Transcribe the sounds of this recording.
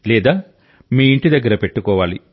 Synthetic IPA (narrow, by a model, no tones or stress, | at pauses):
lɛːd̪aː | miːiɳʈid̪ɐɡːɐɾɐpe̞ʈːukɔːʋaːlḭ